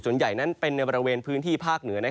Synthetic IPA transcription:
su˨˩ənja˨˩jna˦˥npe˧nːa˧jbɔ˧ɾa˧weː˧npʰɯː˦˥nt̪ʰiː˥˩pʰaː˥˩k̚nɯ˩˦ɐna˦˥

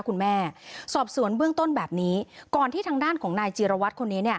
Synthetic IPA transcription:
kʰu˧nmɛː˥˩sɔː˨˩p̚su˨˩˦ənbɯ˥˩əŋt̪o˥˩nbɛː˨˩p̚niː˦˥kɔː˨˩nt̪ʰiː˥˩t̪ʰaː˧ŋdaː˥˩nkʰɔː˩˦ŋnaː˧jt͡ɕiː˧ɾa˧wa˦˥t̪̚kʰo˧nːiː˦˥ni˥˩ɐ

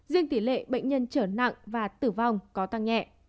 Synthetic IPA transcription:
zi˧əŋt̪i˧˩lḛ˧˨ɓə̰˧˨jŋ̟ɲə˧nt͡ɕəː˧˩na̰˧˨ŋvaː˨˩t̪ɨ˧˩va˨˩wŋ͡mkɔ˨˦t̪a˧˩ŋɲɛ̰˧˨ʔ

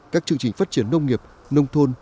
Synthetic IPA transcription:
kaː˦˥k̚t͡ɕɨ˧əŋt͡ɕï˨˩ŋ̟faː˦˥t̚t͡ɕi˧˦ənːə˧wŋ͡mŋi˨˩əp̚ | nə˧wŋ͡mt̪ʰo˧n

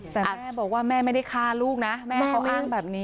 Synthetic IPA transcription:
t̪ɛ˨˩mɛː˥˩bɔː˨˩k̚waː˥˩mɛː˥˩ma˥˩jda˥˩jkʰaː˥˩luː˥˩k̚na˦˥mɛː˥˧˥kʰa˦˥wʔaː˥˩ŋbɛː˨˩p̚niː˦˥

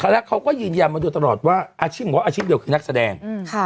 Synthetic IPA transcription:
kʰa˧la˦˥kʰa˦˥wkɔː˥˩jɯː˧njaː˧nmaː˧duː˧jt̪a˧lɔː˨˩t̪̚waː˥˩ʔaː˧t͡ɕʰiː˦˥˩pm˨˩wʔaː˧t͡ɕʰiː˥˩p̚di˧wkʰɯː˧na˦˥k̚sa˧dɛː˧ŋ˧kʰa˧˩

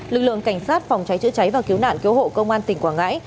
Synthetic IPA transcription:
lɨ˨˩k̚lɨ̰˧˨əŋka˧˩jŋ̟saː˦˥t̚fɔ˨˩wŋ͡mt͡ɕa˨˦jt͡ɕɨ̰˧˥t͡ɕa˨˦jvaː˨˩ki˨˦əwna̰ː˧˨nki˨˦who̰˧˨kə˧wŋ͡mʔaː˧nt̪ï˨˩ŋ̟kwaː˧˩ŋa̰ː˧˥j

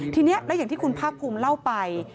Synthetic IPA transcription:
t̪ʰiː˧ni˦˥ɐʔlɛ˦˥ja˨˩ŋt̪iː˥˩ku˧npʰaː˥˩k̚pʰːuː˧mla˥˩wpa˧j

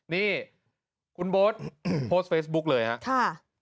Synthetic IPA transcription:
niː˥˩ | kʰu˧nboː˦˥t̪̚pʰoː˦˥st̪̚fʰeː˦˥sbu˦˥k̚lɤː˧jha˦˥ʔkʰa˥˩

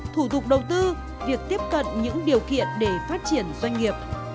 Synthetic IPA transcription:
t̪ʰu˧˩t̪ʊ˨˩k͡p̚ɗə˨˩wt̪ɨ˧ | vi˨˩ək̚t̪i˦˥əp̚kə̰˧˨nɲɨ̰˧˥ŋɗi˨˩əwkḭ˧˨ənɗe˧˩faː˦˥t̚t͡ɕi˧˩ənzwa˧jŋ̟ŋi˨˩əp̚

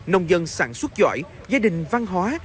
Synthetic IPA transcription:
nə˧wŋ͡mzə˧nsaː˧˩nswə˦˥t̚t͡ɕa̰ː˧˨j | zaː˧ɗï˨˩ŋ̟va˧nɦwaː˨˦

